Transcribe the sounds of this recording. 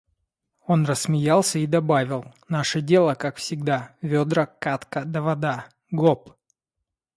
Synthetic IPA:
o̞nrəsːmʲɪjalˠsʲəid̪ɐbavʲɪlˠnaʂədʲelˠəkakfsʲɪɡ̚d̪avʲod̪ɾəkat̪kəd̪əvɐd̪a | ɡop

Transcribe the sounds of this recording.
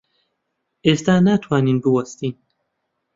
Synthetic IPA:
eːst̪aːnat̪ʰwaːniːnbɨwɐst̪iːn

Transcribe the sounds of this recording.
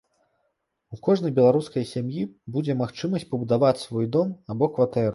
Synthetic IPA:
ukɔʐn̪ɐjbʲɛlˠaɾuskɐjsʲamjibud͡zʲɛmaxt͡ʂɨmɐsʲt͡sʲpɐbud̪avat͡sʲsvɔjd̪ɔmabɔkvat̪ɛɾ

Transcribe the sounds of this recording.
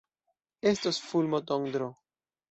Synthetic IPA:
estosfulmot̪oŋd̪ɾo

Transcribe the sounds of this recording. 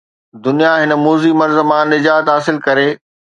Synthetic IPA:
d̪ʊnijaɦɪnəmuːzimɐɾzəmãnɪd͡ʑaːt̪ɦaːsɪlkɐɾeː

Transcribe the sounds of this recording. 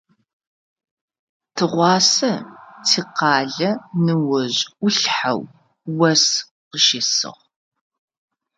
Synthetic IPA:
tʰɨʁʷɑːsɐtʰiːqɑːɮɐnɨwɐʑʷʊɬħa̰w | wɐs | qəʃɪsɨ̰ʁ

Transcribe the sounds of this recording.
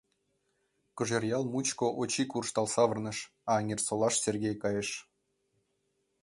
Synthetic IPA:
kɤ̆ʒerjɑlˠmut͡ɕkoʔot͡ɕikurʃt̪ɑlˠsɑvə̆rnɤ̆ʃ | ɑŋʲersolˠɑʃserɣʲejkɑjəʃ

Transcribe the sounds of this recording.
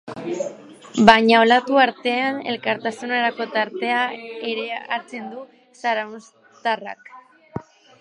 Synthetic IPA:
baɲao̞lat̪uaɾt̪e̞ane̞̰lkaɾt̪asunaɾako̞t̪aɾt̪e̞ae̞ɾe̞a̰t͡se̞nd̪u | saɾaws | t̪ara̰k

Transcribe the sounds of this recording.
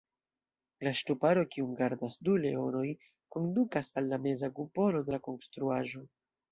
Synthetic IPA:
laʃtupaɾo̞kiumɡaɾdasdule̞o̞no̞j | ko̞ndukasalːame̞zaɡupo̞lo̞de̞lako̞nst̪ɾuaʒo̞

